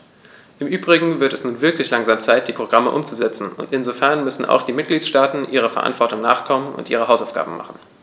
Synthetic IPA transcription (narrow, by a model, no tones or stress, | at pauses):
ʔɪmʔyːbʁɪɡŋ̩vɪɐtɛsnuːnvɪɐklɪçlaŋzaːmt͡saɪt̚d̥iːpʁ̥oɡ̥ʁaməʔʊmt͡suzɛt͡sn̩ʊ̰ntɪnzofɛɐnmʏsn̩a̰ʊxd̥iːmɪt̚ɡ̥liːtʃtaːtn̩ʔiːʁ̞əfɛɐʔa̰ntv̥ɔɐtʊŋna̰ːχkʰɔmənʊ̰ntʔiːʁ̞əɦaʊsaʊfɡ̥a̰ːbm̩ma̰χn̩